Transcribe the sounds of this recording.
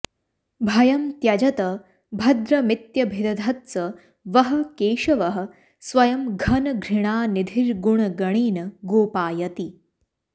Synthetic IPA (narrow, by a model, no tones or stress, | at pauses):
bʱɐjɐmt̪jɐd͡ʒɐt̪ɐ | bʱɐd̪ɾɐmit̪jɐbʱid̪ɐd̪ʱɐt̪t͡sɐ | ʋɐɦɐ̆keːʃɐʋɐɦɐ̆ | sʋɐjɐmɡʱɐnɡʱɾiɽ̃aːnid̪ʱiɾɡuɳ̃ɡɐɽ̃iːnɐɡoːpaːjɐt̪i